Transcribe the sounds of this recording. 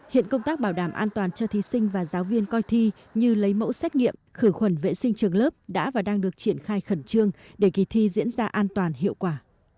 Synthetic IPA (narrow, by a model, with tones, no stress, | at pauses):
hḭ˧˨ənkə˧wŋ͡mt̪aː˦˥k̚ɓaː˧˩wɗaː˧˩mʔaː˧nt̪waː˨˩nt͡ɕɔ˧t̪ʰi˨˦sï˧ŋ̟vaː˨˩zaː˨˦wvi˧ənkɔ˧jt̪ʰi˧ | ɲɨ˧lə˨˦jmo̰˧˥sɛ˦˥k̚ŋḭ˧˨əmxɨ˧˩xwə˧˩nvḛ˧˨sï˧ŋ̟t͡ɕɨ˨˩əŋləː˦˥p̚ɗa̰ː˧˥vaː˨˩ɗaː˧ŋɗɨ˨˩ək̚t͡ɕi˧˩ənxaː˧jxə˧˩nt͡ɕɨ˧əŋɗe˧˩ki˨˩t̪ʰi˧zḭ˧˥ənzaː˧ʔaː˧nt̪waː˨˩nɦḭ˧˨əwkwaː˧˩